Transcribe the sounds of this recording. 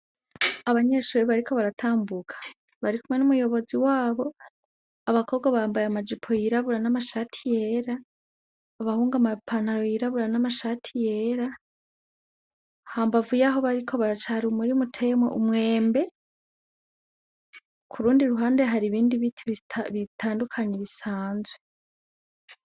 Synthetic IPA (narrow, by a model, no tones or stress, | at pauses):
aβaɲeʃuːɾiβaɾikʰo̞βaɾatʰaːmbukʰḁ | βaɾikumwe̞numujo̞βo̞ziwaːβo̞ | aβakʰo̞ːbɡwaβaːmbajamad͡ʒipʰo̞jiɾaβuɾanamaʃatʰije̞ɾaː | βahuːŋɡamapʰanaɾo̞jiɾaβuɾanamaʃatʰije̞ɾa | haːmbavujaɦo̞βaɾikʰo̞βat͡ʃahɾiumuɾimutʰe̞mwḛʔumŋe̞ːmbe̞ | kʰuɾuːndiɾuɦaːnde̞ɦaɾiβiːndiβitβitʰaːndukʰaɲeβisaːnzwe̞